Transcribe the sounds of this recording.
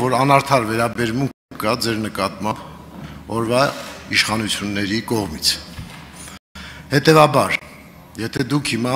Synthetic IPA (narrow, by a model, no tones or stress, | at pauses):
vɔɾɑnɑɾt̪ʰɑɾvɛɾɑbɛɾmuŋkʰəkɑd͡zɛɾnəkɑt̪mɑmb | ɔɾvɑiʃχɑnut͡sʰjunːɛɾikɔʁmit͡sʰ | hɛt̪ɛvɑbɑɾ | jɛt̪ʰɛd̪ukʰhimɑ